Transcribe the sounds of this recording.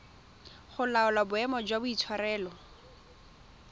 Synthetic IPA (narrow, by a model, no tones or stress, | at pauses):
χʊlaʊlabʊɛmɔd͡ʒwabʊit͡sʰwaɾɛːlɔ